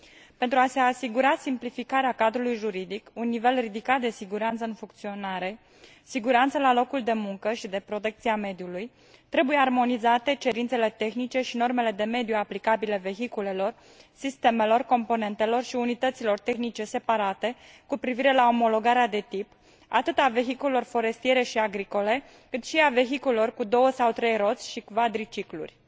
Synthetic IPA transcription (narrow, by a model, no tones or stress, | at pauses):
pe̞nt̪ɾuase̞asiɡuɾasimplifikaɾeakad̪ɾulujʒuɾid̪ikunːive̞lrid̪ikat̪̚d̪e̞siɡuɾant̪səɨnfuŋkt̪sio̞naɾe̞ | siɡuɾant̪səlalo̞kuld̪e̞muŋkəʃid̪e̞pɾo̞t̪e̞k̚t̪siame̞d̪iuluj | t̪ɾe̞buje̞armo̞nizat̪e̞t͡ʃe̞ɾint̪se̞le̞t̪e̞xnit͡ʃe̞ʃino̞rme̞le̞d̪e̞me̞d̪juaplikabile̞ve̞ɦikule̞lo̞r | sist̪e̞me̞lo̞rko̞mpo̞ne̞nt̪e̞lo̞rʃiunit̪ət̪silo̞rt̪e̞xnit͡ʃe̞se̞paɾat̪e̞ | kupɾiviɾe̞lao̞mo̞lo̞ɡaɾead̪e̞t̪ip | at̪ɨt̪ave̞çikulelo̞rfo̞ɾe̞st̪ije̞ɾe̞ʃiaɡɾiko̞le̞ | kɨt̪ʃiave̞çikulelo̞rkud̪o̞wəsawt̪ɾe̞jro̞t̪sʲʃikvad̪ɾit͡ʃiklṵrʲ